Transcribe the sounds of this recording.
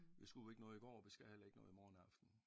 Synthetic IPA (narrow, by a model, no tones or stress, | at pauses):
ʋisɡ̥u̥e̝ɡ̥nɔ̽ð̩ˠiɡ̥ɒ̰ːɒʋisɡ̥æhelɐe̝ɡ̥nɔ̽ːð̩ˠimɒːn̩ɑ̈fd̥n̩